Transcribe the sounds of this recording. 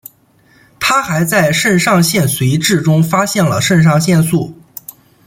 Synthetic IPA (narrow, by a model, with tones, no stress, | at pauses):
t̪ʰa˥xa˧˥ɪt͡sa˥˧ɪʂə˥˧nʂɑ˥˧ŋɕjɛ˥˩nswe˧˥ɪʈ͡ʂɻ̩˥˩ʈ͡ʂʊ˥ŋfa˥ɕjɛ˥˩nlə̰˩ʂə˥˧nʂ̬ɑ˥˧ŋɕjɛ˥˧nsu˥˩